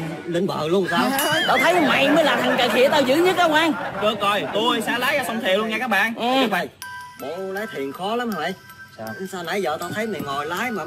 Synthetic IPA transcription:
lï˧˩ŋ̟ɓə̰ː˧˨lu˧ənsaː˧wɗa̰˨˧˩wt̪ʰə˨˦jʔə˨˧ma̰˧˩jməː˨˦jlaː˨˩t̪ʰa˨˩ŋkə˧˨˩kʰḭ˧˨˥t̪ə˧jzɨ̰˧˥˦ɲə˦˥t̚ɗə˨˧˦wkaː˧ŋkə˧kɔ˨˩jt̪u˧jsaː˧laː˨˦jaː˧˩sə˧wŋ͡mt̪ʰi˨˩əwlu˧nŋaː˨˧˩kaː˦˥k̚ɓa̰ː˧˨nʔɓa˧˩jɓo̰˧˨laː˨˦jt̪ʰi˨˩ənxɔ˨˦la˨˦m˧˩ʔə˧j | saː˧wna˨˩jzə̰ː˨˩t̪aː˧t̪ʰə˨˦jma˨˩ŋɔ˨˩jlaː˨˦˥jmaː˨˩

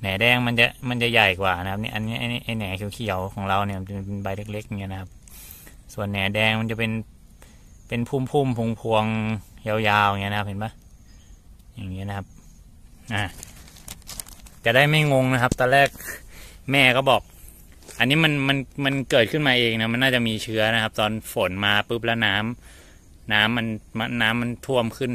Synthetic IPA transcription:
nɛː˩˦dɛː˧˩ŋma˧nt͡ɕa˨˩ma˧nt͡ɕa˨˩ja˨˩jkwaː˨˩na˦˥kʰa˦p̚nḭ˧˥ʔa˧nːiː˦˥ʔa˧˩jʔa˧˩jnɛː˩˦kʰi˨˩˦wkʰi˨˩˦wkʰɔː˩˦ŋɾa˧wni˥˩ɐma˧˩t͡ɕe˧nba˧jle˦˥k̚le˦˥k̚ŋi˦˥˨na˦kʰa˦˥p̚ | su˨˩ənːɛː˨˩˦dɛː˧ŋma˧nt͡ɕa˨˩pe˧n | pe˧npʰuː˥˩mpʰuː˥˩mpʰu˧ŋpʰu˧əŋja˧wjaː˧wa˨˩ŋi˧˦˥na˧kʰa˥p̚he˨˦nba˦˥˩ | jaː˨˩ŋːi˦˥˨na˦˧kʰa˦˥p̚ | ʔaː˧˩ | t͡ɕa˨˩daː˥˩jma˥˩jŋo˧ŋna˦˥kʰa˦˥p̚t̪ɔː˧nlɛː˥˩k̚mɛː˥˩kɔː˥˩bɔː˨˩k̚ | ʔa˧nːiː˦˥ma˧nma˧nma˧nkɤː˨˩t̪̚kʰɯ˥˩nmaː˧ʔeː˧ŋna˦˥ma˧nːaː˥˩t͡ɕa˨˩ʔmiː˧t͡ɕʰɯ˦˥ɐna˦˥kʰa˦˥p̚t̪ɔː˧nfo˩˦nmaː˧pɯ˦˥p̬̚lɛ˦˥naː˦˥m | naː˦˥mːa˧nma˧naː˦˥mːa˧nt̪ʰu˥˩əmkʰɯ˥˩n

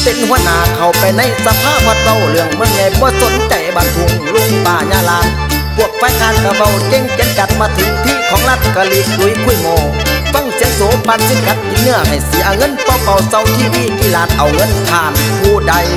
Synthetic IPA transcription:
pe˨nhu˧˩ənaː˨˧kʰa˨˩wpa˨jna˧˩˨jsa˧pʰaː˧˥˩p̚hɔː˧˥t̪̚sa˧˨wlɯ˧˩əŋmɯ˧˩əŋɲɛ˧˩jbɔː˧˩so˨˧˦nt͡ɕa˧˩jbaː˧˩ŋkʰo˧˩ŋlu˧˥˨paː˧ɲaː˧˨la˧˥t̚ | pʰu˧˩ək̚faː˧˥˩jhaː˧˥n̚ka˧˩ba˧˨wke˧˨ŋke˧˥nt͡ɕa˧˦t̪̚maː˧t̪ʰɯ˨˦˥k̚t̪ʰiː˧˥˨kʰɔː˨˦ŋla˧˩t̪̚ka˧li˧˥ku˧˦˨jkʰu˧˩˨jmɔː˧ | fɤ˧˥˨ŋsi˧˦əsoː˨˦pa˧n̚siː˧˥˩ka˧˦t̪̚ki˧˦t̪̚nɯ˧˩əɦa˨˩jsi˨˦ʔa˧˩wŋɤ˧˥˨npɔː˧˩pa˧˩wsa˧˩wt̪ʰiː˧˨wiː˧˩t̪ʰiː˧˩laː˧˥t̪̚ʔa˨˩wŋɯ˧˥˨nt̪ʰaː˧˩nkʰuː˧da˧j

